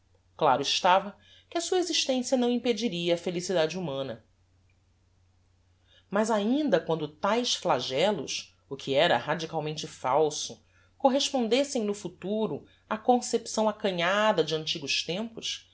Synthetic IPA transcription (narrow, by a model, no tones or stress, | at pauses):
klaɾʊɪʃt̪avɐ | kɪɐsuɐeziʃt̪ẽsijɐnɐ̃w̃ĩped͡ʒiɾiɐːfelisid̪ad͡ʒɪumɐ̃nɐ | mazaĩnd̪ɐkwɐ̃nd̪ʊt̪ajʃsflaʒɛlʊ̰ʃ | ʊkʰiɛɾɐɦad͡ʒikawmẽnt͡ʃɪfawsʊ | koɦeʃpõnd̪esẽj̃nʊfut̪uɾʊ | akõsepsɐ̃w̃akɐ̃ɲad̪ɐd͡ʒɪɐ̃nt͡ʃiɡʊʃt̪ẽmpʊʃ